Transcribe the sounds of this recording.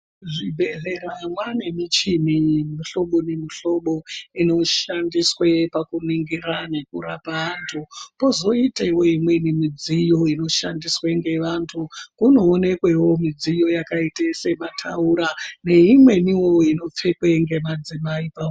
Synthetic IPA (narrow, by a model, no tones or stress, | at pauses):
ʐibʱe̞ɮe̞ranwane̞mit͡ʃimimiɬo̞ɓo̞nemiɬo̞ɓo̞ino̞ʃandiswepakuniŋɡiranekurapaantʰupo̞zo̞itewo̞imwe̞nimid͡zijo̞ino̞ʃandisweŋɡe̞ʋantʰukuno̞ːne̞kwe̞wo̞mid͡zijo̞jakaitese̞matʰauɾane̞imwe̞niwooino̞p͡fe̞kwe̞ŋɡe̞mad͡zimaipao